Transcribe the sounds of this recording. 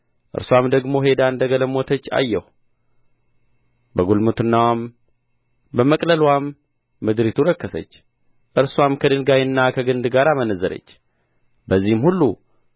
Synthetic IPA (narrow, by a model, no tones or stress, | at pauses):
ʔɨ̰ɾswamd̪əɡmo̞ɦe̞d̪and̪əɡələmo̞t̪ʰət͡ʃːa̰jːɛhu | bəɡulmut̪ɨnːawam | bəməkʼləlwamː | ɨd̪ɾit̪ʰuɾəkːəsə̰t͡ʃː | ʔɨɾswamkʰəd̪ɨnɡajɨnːakʰəɡɨnd̪ɡaɾamənəzːəɾə̰t͡ʃː | bəzːihɨmhulːu